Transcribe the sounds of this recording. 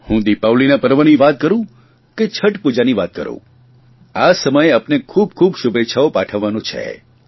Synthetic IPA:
hũd̪ipawlinapəɾʋəniʋat̪̚kəɾũ | ket͡ʃʰəʈpud͡ʒaniʋat̪̚kə̰ɾṵ̃ | asəməjeapnekʰub̚kʰubʃubʱetːʃʰaopaʈʰəʋːanũt͡ʃʰḛ

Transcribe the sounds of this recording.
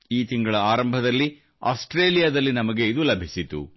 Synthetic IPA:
iːt̪iŋɡɐɭɐaːɾɐmbʱɐd̪ɐlːi | aːsʈɾeːlijaːd̪ɐlːinɐmɐɡe̞id̪ulɐbʱisit̪ṵ

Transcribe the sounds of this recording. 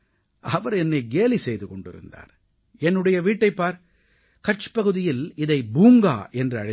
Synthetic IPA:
ɐʋɐɾɛnːɐɪɡeːlisɛjðɯkɔɳɖɪ̰ɾɯ̰nd̪a̰ːɾ | ɛnːɯɽɐjɐʋiːʈːɐɪpːaːɾ | kɐʈt͡ʃɯ̥pɐɣɯðɪjɪlɪðɐɪbuːŋɡa̰ːʔɛndrɯɐɻɐ

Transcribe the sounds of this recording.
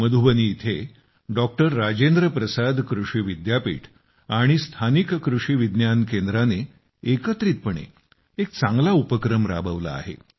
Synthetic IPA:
məd̪ʱubəniːt̪ʰe | ɖɔk̚ʈəɾːad͡ʑend̪ɾəpɾəsad̪kɾuʂiːʋid̪japḭːʈʰ | aɽ̃ist̪ʰanikkɾuʂiːʋid̪njankend̪ɾane | ekət̪ɾiːt̪̚pəɳ̃ḛ | ek̚t͡sãŋɡlaupəkɾəmɾa̰bəʋla̰a̰ɦḛ

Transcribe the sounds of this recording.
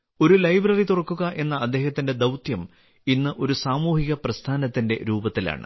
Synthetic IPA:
o̞ɾulɐjbrɐrit̪urɐkːuɣɐʔe̞nːɐːd̪ːe̞ːhɐt̪ːinde̞d̪ɐwt̪jɐm | inːɨʔo̞ɾusaːmuːhiɣɐprɐst̪ʰaːnɐt̪ːinde̞̰ɾuːbɐt̪ːila̰ːɳɨ̰

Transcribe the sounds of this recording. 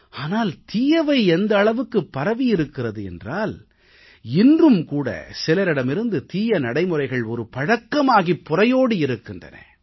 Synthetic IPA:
aːnaːlt̪iːjɐʋɐɪɛnd̪ɐːɭɐʋɯkːɯpːɐɾɐʋijɪɾɯkːɪrɐðɯɛ̰ndraːl | ɪndrɯmkuːɽɐ̰sɪlɐɾɪɽɐmɪɾɯnd̪ɯt̪iːjɐnɐɽɐɪmɯrɐɪɣɐɭɔɾɯpɐɻɐkːɐmaːɣipːʊrɐjoːɽɯɪɾɯkːɯndrɐ̰nɐ̰

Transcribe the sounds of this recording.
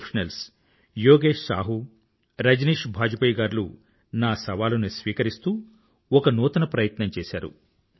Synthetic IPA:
pʰʃɐnɐls | joːɡeːʂsa̰ːɦu | ɾɐd͡ʒniːʂbʱaːd͡ʒupɐjɡaːɾlṵ | naːsɐʋaːlunisʋiːkɐɾist̪uː | ɔkɐnuːt̪ɐnɐpɾɐjɐt̪nɐmt͡ʃeːsa̰ːɾṵ

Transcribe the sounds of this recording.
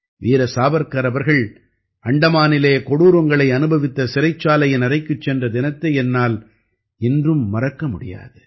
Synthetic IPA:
ʋiːɾɐsaːbɐɾkɐɾɐʋɐɾɣɐɭ | ʔɐɳɖɐmaːnɪleːkɔɽuːɾɔŋɡɐɭɐɪɐnɯbɐʋɪt̪ːɐsɪɾɐɪt͡ʃːaːlɐjɐnɐrɐɪkːɯt͡ʃːɛndrɐd̪ɪnɐt̪ːɐɛnːaːl | ɪndrɯmːɐrɐkːɐmʊɽɪ̰ja̰ːðɯ

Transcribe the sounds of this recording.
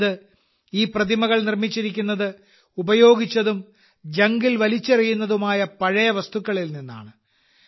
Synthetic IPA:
ðɨ | iːprɐðimɐɣɐɭnirmit͡ɕːiɾik̬ʲːunːɐðɨ | ubɐjo̞ːɡit͡ɕːɐðum | d͡ʑɐŋɡilʋɐlit͡ɕːɐrijunːɐðumaːjɐpɐɻɐjɐʋɐst̪ukːɐɭilninːa̰ːɳɨ

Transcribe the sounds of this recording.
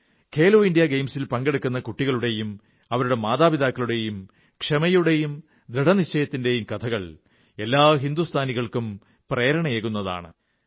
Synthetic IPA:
kʰeːloːindijaɡejmsilpɐŋɡeɽukːunːɐkuʈːiɣɐɭuɽe̞jum | ɐʋɐɾuɽe̞maːðaːbid̪aːkːɐɭuɽe̞jum | kʂemɐjuɽe̞jum | d̪ɾiɽɐnit͡ɕːɐjɐt̪ːinde̞jumkɐt̪ʰɐɣɐɭ | e̞lːaːɦind̪ust̪ʰaːniɣɐɭkum | preːɾɐɳɐeːɣunːɐða̰ːɳɨ̰

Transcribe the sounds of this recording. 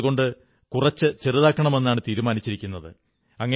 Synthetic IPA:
ɣo̞ɳɖɨ | kurɐt͡ɕːɨt͡ɕeruðaːkːɐɳɐme̞nːaːɳɨt̪iːɾumaːnit͡ɕːiɾikʲːunːɐðɨ̰ | ɐŋːɐ

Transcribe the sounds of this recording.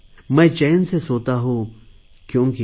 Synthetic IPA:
mɛ̃ːt͡ʃɛːnsesoːt̪aɦũ | kjõːki

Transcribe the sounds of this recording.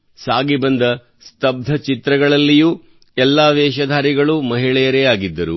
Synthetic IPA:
saːɡibɐnd̪ɐ | st̪ɐb̚d̪ʱɐt͡ʃit̪ɾɐɡɐɭɐlːijuː | ɛlːaːʋɛːʃɐd̪ʱaːɾiɡɐɭumɐɦiɭɛjɐɾɛjaːɡid̪ːɐɾu

